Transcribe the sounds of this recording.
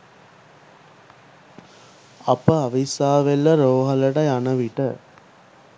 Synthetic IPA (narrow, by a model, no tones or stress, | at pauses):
ɐpəaʋisaːʋelːəɾoːɦɐləʈɐjanəʋiʈə